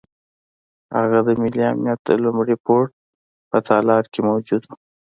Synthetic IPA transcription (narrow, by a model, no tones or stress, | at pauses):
ha̰ɣad̪əmɪliamnjat̪̚əlʊmɽipoʈ̚ | pət̪ʰɑlɑɾkemawd͡ʒud̪u